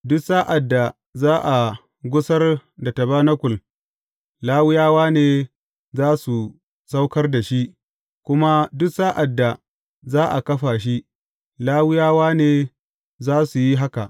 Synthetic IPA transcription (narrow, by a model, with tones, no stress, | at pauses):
dʊ˦saː˦ʔa˨dːa˨ | zaː˦ʔa˨ | ɡʷʊ˦sɐ˦rda˨tɐ˨baː˦nɐ˦kʷʊ˨l | laː˦wɪ˦jaː˦waː˦neː˨ | zaː˦su˨ | sa˦wkɐ˦rda˨ʃi˦ʔ | kʷʊ˦ma˦dʊ˦ksaː˦ʔa˨dːa˨ | zaː˦ʔa˨kɐ˦ɸaː˨ʃ̬i˦ | laː˦wɪ˦jaː˦waː˦neː˨ | zaː˦su˨ji˦ɦa˦ka˨ʔ